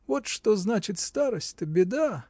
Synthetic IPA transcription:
vo̞t̪ʂt̪oznat͡ɕɪt̪st̪aɾəsʲtʲt̪əbʲɪd̪a

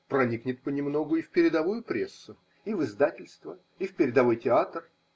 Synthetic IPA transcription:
pɾɐnʲiknʲɪt̪̚pənʲɪmno̞ɡʊifʲpʲɪɾʲɪd̪ɐvujʊpɾʲesːʊ | ivɨzd̪atʲɪlʲst̪və | ifpʲɪɾʲɪd̪ɐvo̞jtʲɪat̪r

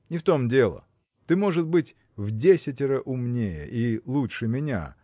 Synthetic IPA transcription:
nʲɪft̪o̞mdʲe̞lˠə̰ | t̪ɨmo̞ʐɨt̪̚bɨtʲ | vdʲesʲɪtʲɪɾəʔʊmnʲejə̰ʔilˠuʂɨmʲɪnʲa̰

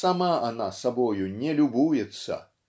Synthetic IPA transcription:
samaanasabɔjunʲɛlʲubujɛt̪sːɐ̰

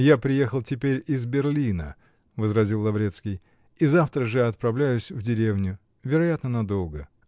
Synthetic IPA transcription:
japɾʲɪje̞xəlˠtʲɪpʲeɾʲɪzbʲɪrlʲinə | vəzɾɐzʲilˠlːˠɐvɾʲe̞t̪skʲɪj | izaft̪ɾəʐɨɐt̪̚pɾɐvlʲæjʊsʲvdʲɪɾʲevnʲʊ | vʲɪɾɐjat̪nənɐd̪o̞lˠɡə

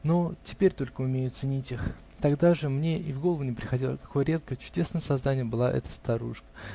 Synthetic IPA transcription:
no̞tʲɪ̥pʲeɾʲt̪o̞lʲkəʊmʲejʊt̪sɨnʲitʲix | t̪ɐɡd̪aʐɨmnʲeʔɪvɡo̞lˠəvʊnʲɪpɾʲɪxɐdʲilˠə̰kɐ̥ko̞jəɾʲe̞t̪̚kəjət͡ɕʊ̥dʲe̞snəjəsɐznanʲɪjəbɨlˠa̰ʔɛ̰t̪ə̥st̪ɐɾuʂkə̥

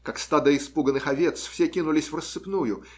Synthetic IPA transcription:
kakst̪ad̪əɪspuɡənːɨxɐvʲet̪sfsʲekʲinʊlʲɪsʲvrəsːɨpnujʊ

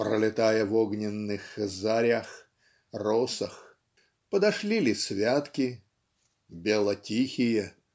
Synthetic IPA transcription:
pɾə̰lʲɪt̪ajəvoɡnʲɪnːɨxzaɾʲax | rosəx | pəd̪ɐʂlʲilʲɪsvʲat̪kʲɪ | bʲelˠətʲixʲɪjə

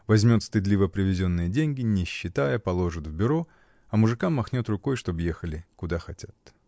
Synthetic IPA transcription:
vɐzʲmʲo̞t̪st̪ɨd̪lʲivəpɾʲɪvʲɪzʲo̞nːɨjədʲenʲɡʲɪnʲɪɕːɪt̪ajəpɐlˠo̞ʐɨt̪vbʲʊɾo̞ | ɐmʊʐɨkamːɐxnʲo̞t̪rʊko̞jʂt̪o̞bjexəlʲɪkʊd̪axɐtʲat̪

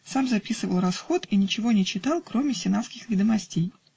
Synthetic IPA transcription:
samzɐpʲisɨvəlˠrɐsxo̞t̪inʲɪt͡ɕɪvo̞nʲɪt͡ɕːɪt̪ɑlˠkɾo̞mʲɪsʲɪnat̪skʲɪxvʲɪd̪əmɐsʲtʲej

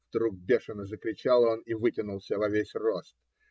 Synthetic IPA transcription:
vd̪ɾuɡ̚bʲe̞ʂɨnəzəkɾʲɪt͡ɕalˠo̞nivɨtʲɪnʊlˠsʲəvɐvʲesʲro̞st̪̚

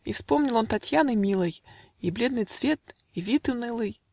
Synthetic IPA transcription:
ifspomnʲɪlˠo̞nt̪ɐtʲjanɨjmʲilˠɨj | iblʲe̞d̪nɨjt̪svʲet̪ | ivʲit̪ɨnɨlˠɨj

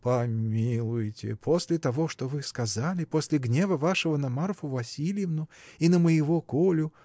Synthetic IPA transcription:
pɐmmʲilˠʊjtʲɪ̰pʰosʲlʲɪt̪ɐvoʂt̪ovɨskɐzalʲɪposʲlʲɪɡnʲe̞vəvaʂɨvənɐmarfʊvɐsʲilʲjɪvnʊinəməjɪvokolʲʊ

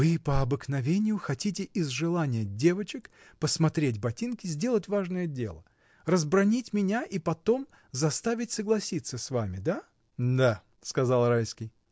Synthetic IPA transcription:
vɨpəɐbɨknɐvʲenʲɪjʊxɐtʲitʲɪʔɪzʐɨlˠanʲɪjədʲe̞vət͡ɕɪk | pəsmɐt̪ɾʲetʲbɐtʲinkʲɪzʲdʲe̞lˠətʲvaʐnəjədʲe̞̰lˠə̰ | rəzbɾɐnʲitʲmʲɪnʲaʔipɐt̪o̞m | zɐst̪avʲɪtʲsəɡlˠɐsʲit̪səsvamʲɪd̪a | d̪a | skɐzalˠrajskʲɪj

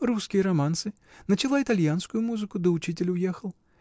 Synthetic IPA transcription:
ruskʲijɐɾɐmant̪sɨ | nɐt͡ʃɨlˠait̪alʲjanskʊjumuzɨkud̪ɨut͡ʃit͡sʲɪlʲujɛxɐlˠ

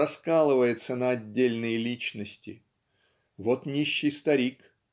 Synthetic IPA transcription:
ɐskalˠɨvəjɪt̪sənəɐdʲːelʲnɨjlʲit͡ɕnəsʲtʲɪ̰ | vot̪nʲiɕːɪjst̪ɐɾʲik

